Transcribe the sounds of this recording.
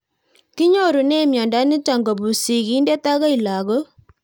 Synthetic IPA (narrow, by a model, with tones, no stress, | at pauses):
ki˦ɲo˦ɾu˨ne˦mjɔ˨nda˦nɪ˦ta˨ŋɡo˨bu˨si˨ki˦nde˦ta˦ɣa˦i˨la˨ɣɔ˦